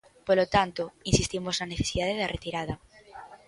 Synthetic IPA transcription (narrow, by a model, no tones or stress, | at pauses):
polot̪ant̪oinsist̪imoznɐneθesiðaðeðɐrʔet̪iɾað̞ɐ